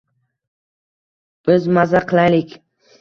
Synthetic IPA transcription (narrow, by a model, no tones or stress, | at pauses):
b̥ɪzmazaqʰɨlˠajlɪkʲ